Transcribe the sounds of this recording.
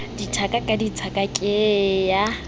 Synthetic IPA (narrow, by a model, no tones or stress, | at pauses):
ditʰakʼakʼadit͡sʰakʼakʼɪja